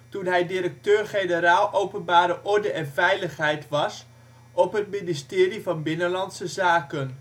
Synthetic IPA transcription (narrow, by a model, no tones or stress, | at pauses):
tunɦɛjdiɾək̚tøːɹχejnəɾaːlˠʔowpənbaːɾəʔɔɹdəʔɛnvɛjləχɦɛjtʋɑs | ʔɔpɦət̚mɪnistɪːrivɑnbɪnənlɑntsəzaːkən